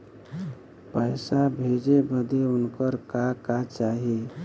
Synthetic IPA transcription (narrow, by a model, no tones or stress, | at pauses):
pəɪsabʱed͡ʒebəd̪eʊnkəɾkakat͡ʃaːɦe